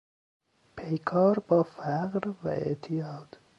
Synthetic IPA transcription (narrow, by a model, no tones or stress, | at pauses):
pʰejkʰɒːɾbɒːfæɢɾvæʔḛʔt̪ʰijɒːd̪̥